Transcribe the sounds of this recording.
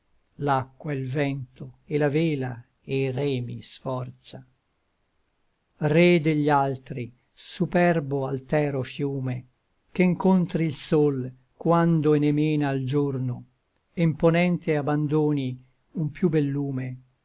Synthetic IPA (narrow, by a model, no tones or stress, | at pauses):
lakːwailvɛnt̪oelaveːla | erɛːmḭsfɔrt̪sa | red̪eʎːalt̪ɾi | supɛrboalt̪ɛːɾofjuːme | keŋkont̪ɾilsol | kwand̪oenemeːnaːld͡ʒorno | imponɛnt̪eaband̪oːni | umpjubɛlːuːme